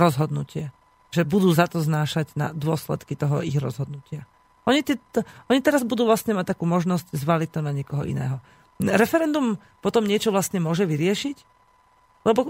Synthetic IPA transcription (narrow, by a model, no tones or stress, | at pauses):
ɾɔzɦɔd̪nucɪɛ | ʒɛbud̪uːzat̪ɔznaːʃaɟna̰d̪ʊɔslɛ̰t̪kit̪ɔɦɔiɣɾɔ̰zɦɔd̪̚nucɪa | ʔɔɲit̪ɛʔɔɲit̪ɛɾazbud̪uːʋlastɲɛmac̚t̪akuːmɔʒnɔsɟzʋalic̚t̪ɔnaɲɪɛkɔɦɔ̰ʔḭnɛ̰ːɦɔ | ɾɛfɛɾɛnd̪um | pɔt̪ɔmɲɪɛt͡ʃɔʋlastɲɛmʊɔʒɛʋiɾɪɛʃic | lɛbɔ